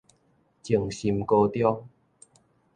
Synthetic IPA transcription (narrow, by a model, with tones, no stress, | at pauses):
t͡ɕi˨˩əŋɕi˧mko˧t̪jɔ˦ŋ